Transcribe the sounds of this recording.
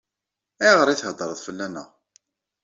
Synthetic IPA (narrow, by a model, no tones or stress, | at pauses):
iʁəɾˤiθhəd̪ˤːɾˤəðˤfəlːænə̰ʁ